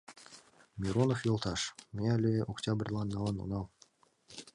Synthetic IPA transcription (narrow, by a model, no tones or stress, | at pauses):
mʲiɾonofjolˠt̪ʰɑʃmʲealʲeʔoktʲabrʲlˠɑnnɑlˠɑnṵnɑlˠ